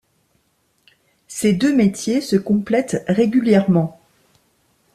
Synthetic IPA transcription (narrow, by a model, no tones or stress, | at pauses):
sed̪ømet̪jesəkɔ̃plɛt̪ʁeɡʲyljɛʁmɑ̃